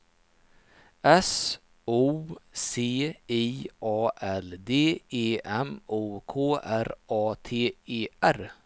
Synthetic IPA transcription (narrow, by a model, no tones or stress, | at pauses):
ɛs | uːseːiːʔɑːʔɛld̪eːeːɛmuːkʰoːæɾɑːt̪ʰeːeːæɾ